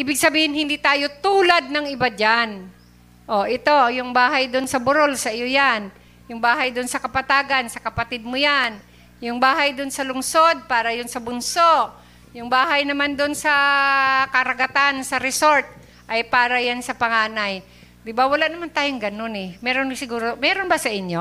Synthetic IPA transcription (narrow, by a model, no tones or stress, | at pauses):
ʔiːbɪɡ̚sɐbiːhɪnhɪnd̪it̪aːjo̞t̪uːlad̪̚nɐŋʔɪbad͡ʒan | ʔoʔɪt̪o̞jʊŋbaːɦajd̪ʊnsɐbʊɾo̞lsɐʔɪjojan | jʊŋbaːɦɐjd̪ʊnsɐkɐpɐt̪aːɡansɐkɐpɐt̪ɪd̪̚mʊjan | jʊŋbaːɦɐjd̪ʊnsɐlʊŋso̞d̪̚paːɾɐjʊnsɐbʊnsoʔ | jʊŋbaːɦajnɐmand̪onsɐ | kɐɾɐɡɐt̪ansɐɾɛsoɾt̪̚ | ʔɐjpaːɾɐjansɐpɐŋaːnaj | d̪ɪbawɐlaʔnɐmant̪aːjoŋɡɐnonɛmɛːɾonsɪɡuːɾomɛːɾonbɐsɐʔɪɲjo